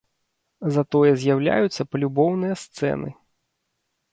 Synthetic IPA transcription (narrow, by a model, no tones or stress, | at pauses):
zɐt̪ɔjɛzʲjawlʲa̰jut̪sːɐpɐlʲubɔwnɨjɐst̪sɛ̰nɨ̰